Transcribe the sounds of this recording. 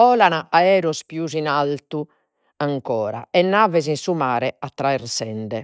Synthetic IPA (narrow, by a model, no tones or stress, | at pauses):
ɔːlanaaɛːɾɔspjuzinalt̪u | aŋkɔːɾa̰ɛnːaːvɛzinsumaːɾɛat̪ːɾaɛɾsɛnd̪ɛ